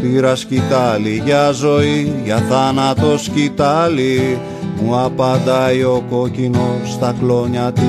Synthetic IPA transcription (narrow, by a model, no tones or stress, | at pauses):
piɾɐscit̪ɐliʝɐzo̞iʝɐθɐnɐt̪o̞scit̪ali | muɐpɐnd̪aio̞ko̞cino̞st̪ɐklo̞ɲɐt̪i